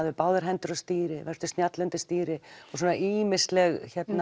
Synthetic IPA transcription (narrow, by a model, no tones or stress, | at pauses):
ðvɪpaːwðaɾ̥ɦɛnt̪ʏɾɔst̪iːɾɪvɛɾ̥t̪ʏ̥st̪njat̪lœnt̪ɪst̪iːɾɪɔsuːnaʔiːmɪst̪lɛɣçɛt̪na